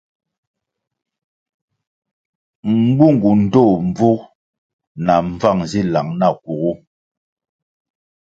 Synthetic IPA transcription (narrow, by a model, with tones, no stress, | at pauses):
ŋ̩˦ɡ͡bu˦˨ŋ˨ɡu˨n̩˦do˦˨ɱ˨b͡vu˦ | na˨ɱ˦b͡va˦˨ŋzi˦la˨ŋna˦˨ku˨ɣu˦